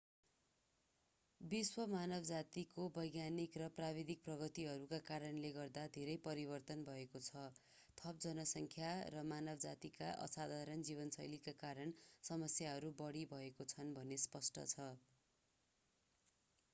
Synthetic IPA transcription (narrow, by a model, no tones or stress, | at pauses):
biswʌmanʌbd͡zat̪ikobʌjɡjanikrʌprabid̪ʱik̚prʌɡʌt̪iɦʌɾukakaɾʌnleɡʌrd̪ad̪ʱeɾʌjpʌɾibʌrt̪ʌnbʱʌekot͡sʰʌ | t̪ʰʌp̚d͡zʌnʌsʌŋkʰjarʌmanʌbʌd͡zat̪ika̰ʔʌ̰sad̪ʱaɾʌnd͡ziβʌnsʌjlikakaɾʌnsʌmʌsjaɦʌɾubʌɽibʱʌekot͡sʰʌnbʱʌnespʌsʈʌ̰t͡sʰʌ